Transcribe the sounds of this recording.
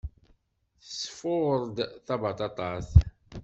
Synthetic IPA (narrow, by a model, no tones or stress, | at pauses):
θəsə̥fʊʁəɾˤd̪θɑvɑt̪ˤɑt̪ˤɑs